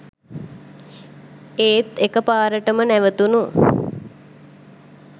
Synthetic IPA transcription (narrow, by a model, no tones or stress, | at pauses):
eːt̪ekəpaːɾəʈəmənæʋət̪unu